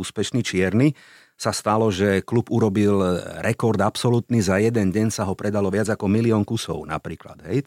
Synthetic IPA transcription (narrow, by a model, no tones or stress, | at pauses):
uːspɛʃnit͡ʃɪɛɾni | sast̪alɔʒɛklubuɾɔbilɾɛkɔɾd̪apsɔlut̪nizajɛd̪ɛnɟɛɲsaɦɔpɾɛd̪alɔʋɪad͡zakɔmiliɔːŋkusɔ̰ʊna̰pɾiːkla̰d̪ɦɛj